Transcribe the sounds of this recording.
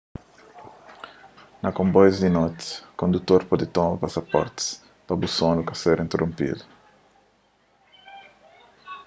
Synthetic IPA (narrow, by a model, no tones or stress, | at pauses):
nɐkõmbɔjzd̪inot̪kõnd̪ut̪oɾpɔd̪ɪt̪omɐpasɐpɔ̰ɾt̪s | p̪abusonukaseɾĩnt̪erõmpḭd̪u